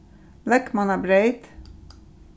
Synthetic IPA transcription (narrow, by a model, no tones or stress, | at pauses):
lɛkmɑnæːbɾeɪt̪